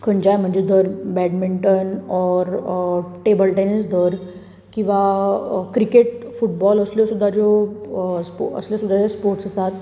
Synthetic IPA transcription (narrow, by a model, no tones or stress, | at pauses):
kʰəɲd͡ʑajm̤əɳd͡zed̪ʱəɾbɛɖmiɳʈənɔɾʈebəlʈenisd̪ʱəɾ | kĩw̃ʋakɾikeʈfuʈ̚bɔləsljɔsud̪ʱːad͡ʑɔ | spə̰sljosud̪ʱːad͡zespoɾʈsəsat̪